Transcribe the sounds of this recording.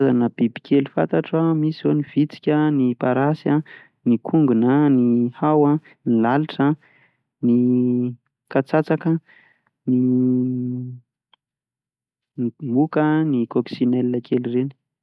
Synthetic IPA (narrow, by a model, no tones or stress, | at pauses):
zanəb̥ibikʲʰelufa̰nt̪aʈ͡ʂamisioniv̥it͡si̥kʲənipaɾasa | nikʰuŋɡunənihawa | nilaliʈ͡ʂə | ni | kat͡sat͡sakə | ni | nimukənikoksinelnəkʰelireni